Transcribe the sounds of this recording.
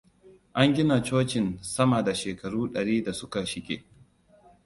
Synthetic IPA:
ʔa˦ŋɡʲɪ˦na˨t͡ʃoː˦t͡ʃɪ˨nsɐ˦ma˨da˨ʃeː˨kɐ˨ɽuː˦ɗɐ˨ɽiː˦da˨sʊ˦ka˨ʃɪ˦kʲḛː˨

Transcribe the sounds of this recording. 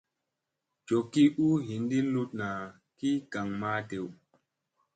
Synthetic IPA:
t͡ʃo˨kːi˦ʔu˦ɦi˨ndi˦nlu˦t̚na˨ | ki˦ka˨ŋmaː˦te˨w

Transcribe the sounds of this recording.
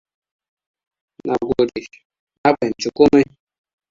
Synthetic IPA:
na˨ɡu˨ɾi˨ | a˦pe˨n˨t͡ʃu˨ku˦me˦

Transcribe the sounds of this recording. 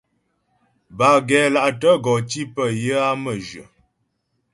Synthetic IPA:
ba˨ɡɛ˨˦la˨ʔtə˦ɡɔ˨ti˦pə˦˨jə˦a˦mə˨d͡ʒɥə̰˨

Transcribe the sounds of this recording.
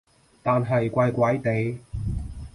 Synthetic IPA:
t̪aː˨nɦɐ˨jkʷaː˧jkʷɐ˨˥jt̪e˨j

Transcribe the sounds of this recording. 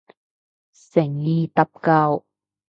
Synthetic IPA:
sɪ˨˩ŋjiː˨t̪ɐ˨p̚kɐ˧w

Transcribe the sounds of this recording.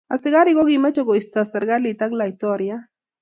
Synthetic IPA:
a˨sɪ˦ɡa˦ɾɪ˦ɡɔ˦ɡɪma˦t͡ʃɔ˦ɡɔ˨i˨st̪a˨sa˨ɾɡa˦li˨ta˦ɡla˨i˨t̪ɔɾɪja˦

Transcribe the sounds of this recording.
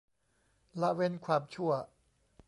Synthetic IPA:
la˦˥we˧nkʰwaː˧mt͡ɕʰu˥˩ɐ

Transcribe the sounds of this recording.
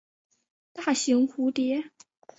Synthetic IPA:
t̪a˥˩ɕi˧˥ŋxu˧˥t̪jɛ˧˥

